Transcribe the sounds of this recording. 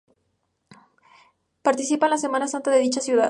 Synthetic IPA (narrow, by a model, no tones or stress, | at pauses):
paɾt̪isipanlase̞mãnasant̪aðe̞ðit͡ʃasjuða̰